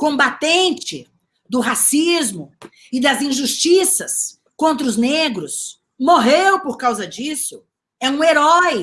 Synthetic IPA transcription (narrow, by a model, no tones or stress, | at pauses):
kõbat̪ẽnt͡ʃɪ | d̪ʊɦasizmʊ | ɪd̪ɐzĩʒust͡ʃisɐs | kõnt̪ɾʊzneɡɾʊs | moɦewpoɾkawzɐd͡ʒisʊ | ɛũeɾɔj